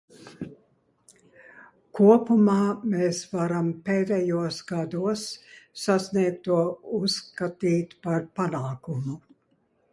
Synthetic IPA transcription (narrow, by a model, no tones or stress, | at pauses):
kuɔpumaːmeːsvaɾampeːd̪ɛjuɔsɡad̪uɔsːasniɛk̚t̪uɔusːkat̪iːt̪paɾpanaːkumu